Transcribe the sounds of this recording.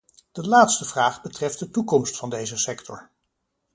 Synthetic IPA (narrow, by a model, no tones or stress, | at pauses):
d̥əlaːtstəvraːχbətrɛft̚dətukɔmstfɑndejzəsɛktʰɔɹ